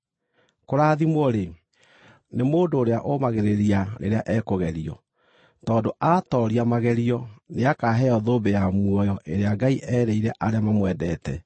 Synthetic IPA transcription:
koɾaðimɔɾe | nemoːndoːɾeaʔomaɣeɾeɾianḛɾeaʔɛkoɣɛɾiɔ | tɔːndoʔatɔɾiamaɣɛɾiɔneakaɦɛɔðoːbejamwɔjɔʔeɾeaɡaiʔɛɾɛiɾɛʔaɾeamamwɛdɛtɛ

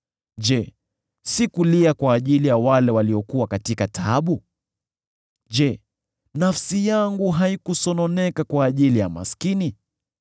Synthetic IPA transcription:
ʄɛ | sikuliakwaːʄilijawalɛwaliɔkuwakatikatʰaɓu | ʄɛ | nafsijaŋɡuɦaikusɔnɔnɛkakwaːʄilijama̰skini

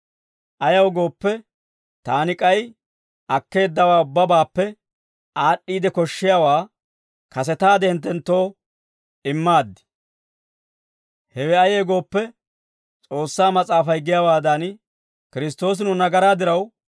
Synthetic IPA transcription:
ʔɐjɐwɡo̞ːpːɛ | t̪aːnɪkʼɐj | ʔɐkːe̞ːd̪ːɐwaːʊbːɐbaːpːɛ | aːɗːiːd̪ɛkɔʃːɪjawaː | kɐs̬ɛt̪aːd̪ɛhɪnt̪̬ːɛnt̪ːo̞ː | ɪmːaːd̪ːɪ̥ | hɛwɛɐjeːɡo̞ːpːɛ | t͡sʼo̞ːsːaːmɐt͡sʼaːfɐjɡɪjawaːd̪ɐn | kɪɾɪs̬t̪o̞ːs̬ɪnʊnɐɡɐɾaːd̪ɪɾɐw

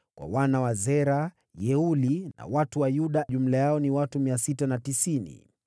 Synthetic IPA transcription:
kwa̰wanawazɛɾa | jɛulina̰watuwajuɗaʄum̩lajaɔniwatumiasitanatisinḭ

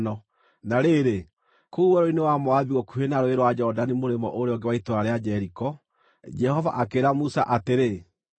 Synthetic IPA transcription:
nɔ | naɾeɾe | kouwɛɾoinewamɔaðiɣɔkuhenaɾoeɾwad͡ʒɔdanimoɾemɔʔoɾeɔŋɡewaitoaɾead͡ʒɛɾikɔ | d͡ʒɛhɔva̰ʔakeɾamusa̰ʔateɾe

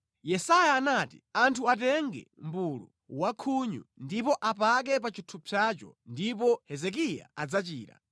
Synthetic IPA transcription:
jɛsajaːnatḭantʰuat̬ɛŋɡɛ̰mbulṵ | wakʰuɲṵndipɔʔapak̬ɛp̬at͡ʃitʰupʰjat͡ʃɔ̰ndipɔhɛzɛk̬ija̰ad͡zat͡ʃiːɾa̰

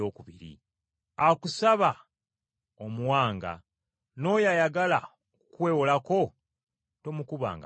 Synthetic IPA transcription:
oːkuβiɾḭ | akusaβa | omuwaːŋɡa̰ | no̞ːjajaɡala̰ | kukwe̞ːwolako̞ | to̞mukuβa̰ːŋɡa

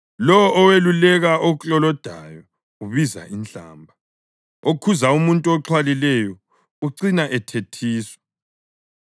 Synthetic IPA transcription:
lɔwʔːwelulɛɣaoɣut͡ɬʼɔlɔd̥ʱajɔ | uβiza̰ʔint͡ɬa̰ːmbʱa | okʰuzaumuntʼuɔǁʰwalilɛjɔ | uǀinaʔɛtʰetʰiːswɔ̥

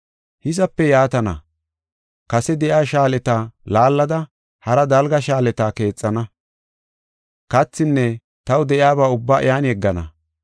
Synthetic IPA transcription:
hɪsɐpːɛjaːt̪ɐnɐ̰ | kɐsɛd̪ɛʔjaːʃaːlɛt̪aːlaːlːɐd̪ɐ | hɐɾɐd̪ɐlɡɐʃaːlɛt̪aːke̞ːt͡sʼːɐnɐ | kɐt͡sːɪnːɛ | t̪ɐwd̪ɛʔjaːbaːʊbːaːʔɪjaːnjɛɡːɐnɐ̰

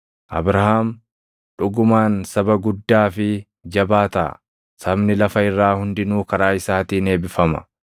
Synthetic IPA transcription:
ʔɐ̰bɾɐhaːm | ᶑʊɡʊmaːnsɐbɐɡʊd̪ːaːfɪ | d͡ʒɐbaːt̪a̰ | sɐbnɪlɐfɐɪrːaːhʊnd̪ɪnuːkɐɾaːɪsaːt̪iːne̞ːbɪfɐmɐ̰

